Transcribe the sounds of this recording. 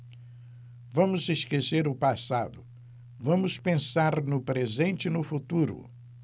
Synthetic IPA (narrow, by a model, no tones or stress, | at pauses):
vɐ̃mʊzeskeseɾʊpasad̪ʊ | vɐ̃mʊspẽsaɾnʊpɾezẽnt͡ʃɪnʊfut̪uɾʊ̰